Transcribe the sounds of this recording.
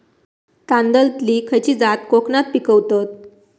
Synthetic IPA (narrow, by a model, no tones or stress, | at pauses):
t̪ãnd̪əlt̪likʰəjt͡ɕiːd͡zat̪̚koknat̪̚pikəwt̪ət̪̚